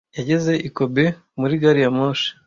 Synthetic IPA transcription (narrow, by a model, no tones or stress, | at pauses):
jaɟe̞ze̞ʔiko̞be̞ | muɾiɡaɾijamoːʃi̥